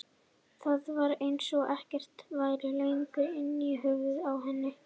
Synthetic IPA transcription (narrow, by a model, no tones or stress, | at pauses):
θaðvaɾejnsɔʔɛhcɛr̥t̪vaːjɾɪlejiŋkʏɾɪnːiɦʏɣvʏðawɦɛnːɪ